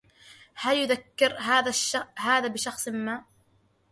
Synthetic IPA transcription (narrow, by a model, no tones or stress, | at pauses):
haljʊðakːɪɾɦaːðaʃɦaːðaːbɪʃɑxsˤmːaːʔ